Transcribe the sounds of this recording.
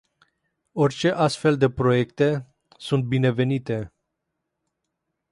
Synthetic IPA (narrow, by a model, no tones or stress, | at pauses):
o̞rʲt͡ʃe̞ʔast̪fe̞ld̪e̞pɾo̞je̞kt̪e̞ | sunt̪̚bine̞ve̞nit̪e̞